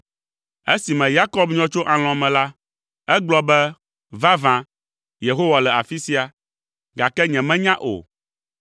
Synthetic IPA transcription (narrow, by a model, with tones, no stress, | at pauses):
e˦si˨mɛ̃˨ja˦kɔ˦bɲɔ̃˦t͡ʃo˦ʔã˨l̃ɔ̃˨mɛ̃˨la˦ | ɛ˦ɡ͡blɔ˦bɛ˦ | va˦vã˨ | je˨ɦo˦wa˨lɛ˨a˨fi˦si˦a˨ | ɡa˨kɛ˦ɲɛ̃˨mɛ̃˦ɲã˦ʔo̰˨